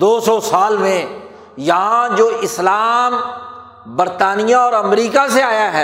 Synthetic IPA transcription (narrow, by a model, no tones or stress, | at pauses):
d̪oːsɔːsaːlmẽ | jɐɦãd͡ʒoːʔɪslaːm | bəɾt̪aːnijãɔːɾɐmɾiːkaseaːjaɦɛː